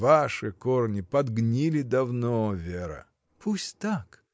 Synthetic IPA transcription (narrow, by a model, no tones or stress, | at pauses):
vaʂɨkornʲɪpɐd̪ɡnʲilʲɪd̪ɐvnovʲeɾə̰ | pʰusʲtʲt̪ak